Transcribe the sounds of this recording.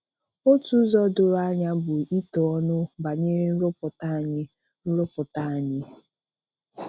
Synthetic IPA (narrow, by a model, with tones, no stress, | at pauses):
o˦tu˦zɔ˦dʊ˦ɾa˦ɲa˦bʊ˨i˦tɔ˨ɔ˦nʊ˦ba˨ɲe˦ɾn̩˦ɾʊ˦pʊ˨ta˦˨ɲɪ˦ | n̩˦ɾʊ˦pʊ˨ta˦a˨ɲɪ˦